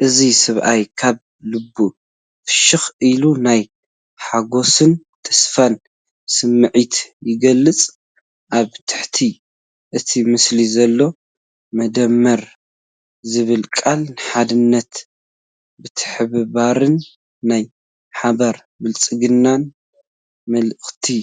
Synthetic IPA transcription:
ʔɨzisɨβʔajkʰaβ | lɨbːu | ɨʃɨxʔilunaj | ħaɡo̞sɨn | t̪ʰɐ̥sfan | sɨmːɨʕit̪jɪɡɐlːɨt͡sʼ | ʔaβt̪ʰɨ̥ħt̪ʰi | ʔɨt̪ʰimɨslizɐlːo̞ | mɐd̪ɐmːɐɾ | zɨβɨlkʼalnɨħad̪ɨnːɐt̪ | bɨt̪ʰɨ̥ħɨβɨβaɾɨnː | aj | ħaβɐɾ | bɨlt͡sʼɨɡɨnːan | mɐlɨxt̪ʰi

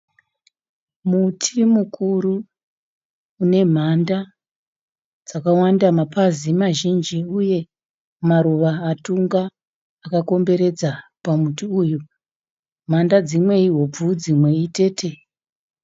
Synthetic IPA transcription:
mutʰimukʰuɾu | ne̞m̤anda | d͡zakawandamapʰazimaʒind͡ʒiuje̞ | maɾuʋaːtuŋɡaː | kako̞mbe̞ɾe̞d͡zapamutiujo | m̤andad͡zimwe̞iɦo̞b͡vud͡zimwe̞ite̞ːtʰe̞

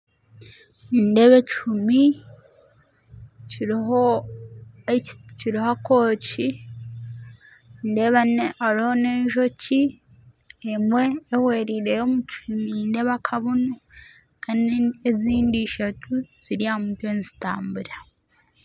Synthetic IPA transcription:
indeβet͡ʃumi | cio | ciɾihako̞ːci | ndeβaaɾiho̞ne̞ːɲʒo̞ci | emwe̞ːhweɾiɾe̞jomut͡ʃuminde̞βakʰaβunu | kaneziːndiʃatʰuz̥iɾijamutweːnzitaːmbuɾa

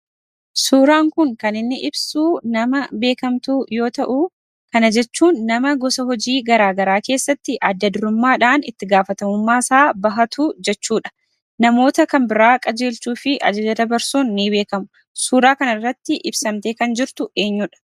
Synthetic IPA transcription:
suːɾaːŋkʊŋkɐnɪnːɪʔɪbsuːnɐmɐbe̞ːkɐmt̪uːjo̞ːt̪ɐʔu | kɐnɐd͡ʒɛt͡ʃːuːnːɐmɐɡɔsɐɦɔd͡ʒiːɡɐɾaːɡɐɾaːke̞ːsːɐt̪ːɪʔɐd̪ːɐd̪ʊɾʊmːaːᶑaːnɪt̪ːɪɡaːfɐt̪ɐmʊmːaːɪsaːbɐɦɐt̪ʰuːd͡ʒɛt͡ʃːuːᶑɐ̥ | nɐmo̞ːt̪ɐkɐmbɪɾaːkʼɐd͡ʒe̞ːlt͡ʃuːfɪʔɐ̰d͡ʒɐd͡ʒɐd̪ɐbɐɾsuːnːɪbe̞ːkɐmʊ | suːɾaːkɐnɐɪrːɐt̪ːɪʔɪbsɐmt̪e̞ːkɐnd͡ʒɪɾt̪ʊʔe̞ːɲːuᶑɐ̥

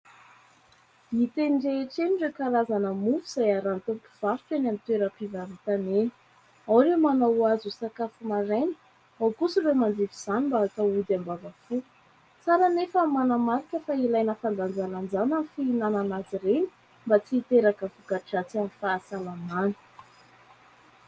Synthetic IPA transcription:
mit̪enɖ͡ʐeʈ͡ʂeniɖ͡ʐekalazanəmufuz̥ajaɾant̪umpu̥v̥aftenamint̪weɾəpivavit̪aneni̥ | awɾemanawazusakafumaɾajnə̥ | awkusiremand̪iviz̥animbakaud̪ambavafu | t͡saɾanefəmanamaɾikəfailajnəfand̪and͡zaland͡zanafinananaziɾeni̥ | mbat͡siːt̪eɾakəfuɡaʈ͡ʂat͡sanifaːsalamanə̥

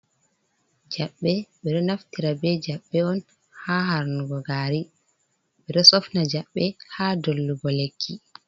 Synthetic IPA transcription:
d͡ʒaɓːɛɓɛɗɔnaftiɾabɛd͡ʒaɓːɛɔn | haːhaɾnuɡɔɡaːɾi | ɓɛɗɔsɔfnad͡ʒaɓːɛhadolːuɡɔlekʰːi

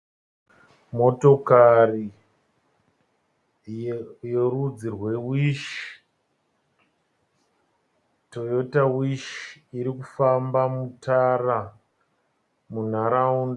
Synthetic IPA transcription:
mo̞to̞kari | jerud͡zirwe̞wiʃi̥ | to̞jo̞tawiʃi̥iɾikufambamutʰara | mun̤aɾaunda

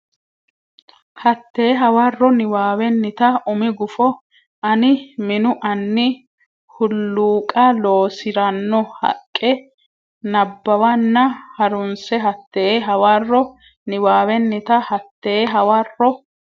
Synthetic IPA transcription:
hɐt̪ːeːɦɐwɐrːɔnɪwaːwɛnːɪt̪ɐʊmɪɡʊfɔ | ɐnɪmɪnʊʔɐnːɪ | hʊlːuːkʼɐloːsɪɾɐnːɔhɐ̰kʼːɛ | nɐbːɐwɐnːɐhɐɾʊnsɛɦɐt̪ːeːɦɐwarːɔ | nɪwaːwɛnːɪt̪ɐhɐt̪ːeːɦɐwɐrːɔ

